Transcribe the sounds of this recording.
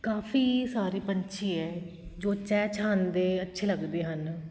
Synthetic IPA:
kaːfʰiːsaːɾiːpəɲt͡ʃʰiːɛː | d͡ʒoːt͡ʃɛːt͡ʃʰaːnd̪eːətːʃʰeːləɡd̪eːɦən

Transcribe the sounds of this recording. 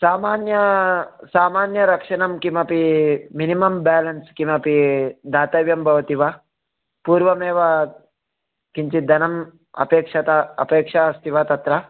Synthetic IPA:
saːmaːnjɐsaːmaːnjɐɾɐkʂɐnɐmkimɐpiminimɐmbaːlɐnskimɐpid̪aːt̪ɐʋjɐmbʱɐʋɐt̪iʋɐ | puːɾʋɐmeːʋɐ | kiɲt͡ʃid̪ʱɐnɐm | ɐ̰peːkʂɐt̪aɐ̰peːkʂaɐst̪iʋɐt̪ɐt̪ɾɐ

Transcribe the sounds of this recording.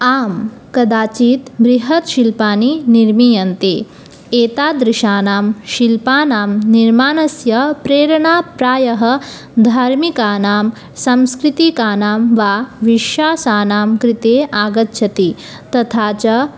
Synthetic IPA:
aːm | kɐd̪aːt͡ʃiːt̪bɾiɦɐt̪ʃilpaːniniɾmiːjɐnt̪eː | eːt̪aːd̪ɾiʃaːnaːmʃilpaːnaːmniɾmaːnɐsjɐpɾeːɾɐɳaːpɾaːjɐɦɐ̆ | d̪ʱaːɾmikaːnaːm | sɐ̃mskɾit̪ikaːnaːmʋaːʋiʃjaːsaːnaːmkɾit̪eːʔaːɡɐt̪ːʃʰɐt̪i | t̪ɐt̪ʰaːt͡ʃɐ

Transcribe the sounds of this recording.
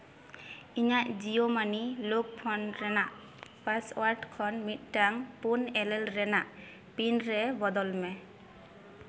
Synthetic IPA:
iɲaʔzijomanilok̚pʰɔnɹɛnaʔ | pasɔwaɹʈkʰɔnmit̪̚taŋpunɛlɛlɹɛnaʔ | pinɹɛbɔd̪ɔlmɛ

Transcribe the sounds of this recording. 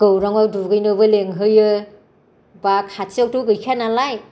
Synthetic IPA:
ɡ̥ɯwɾaŋawduɡɯjnɯbɯleŋɦɯjɯ | bakhatok̚tuɡɯjkʰanalaj

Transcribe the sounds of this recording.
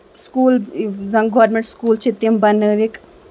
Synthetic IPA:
skuːlzɐŋɡɔːɾmeɳʈskuːlt͡ʃʰit̪imbɐnɨɾik

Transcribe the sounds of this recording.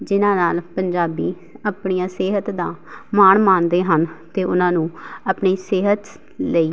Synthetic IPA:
d͡ʒɪnãːnaːlpəɲd͡ʒaːbiː | əpɳiːãːseːɦət̪d̪ãːmaːɳmaːnd̪eːɦənt̪eːʔʊnãːnũːəpɳiːsɪːɦət̪ | ləiː

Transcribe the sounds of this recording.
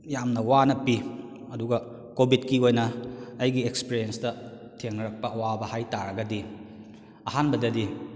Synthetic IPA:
jamnɐwanɐpi | ɐduɡɐ | kobʱitkiojnɐɐjɡiekspiɾienstɐ | tʰeŋnɐɾɐk̚pɐɐwabɐhajtaɾɐɡɐdi | ɐhanbɐdɐdi

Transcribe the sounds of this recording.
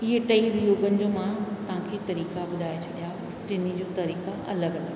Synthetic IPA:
ɪɦeʈɐiɾjoːɡənɪ̆d͡ʑoːmãt̪ɐʋ̤ãkʰeːt̪ɐɾiːkabʊd̪ʱaːet͡ɕʰɐɗija | ʈɪnid͡ʑõːt̪ɐɾiːkaʔɐləɡɐla

